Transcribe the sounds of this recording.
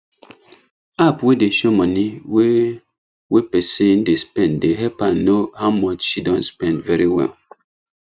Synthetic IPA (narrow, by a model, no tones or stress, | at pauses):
apwedeʃomɔniwe | wepɛsẽndespɛ̃ndeɦɛpãnːohaʊmɔt͡ʃʃidɔ̃ntspɛ̃ndvɛɹiwɛ̰l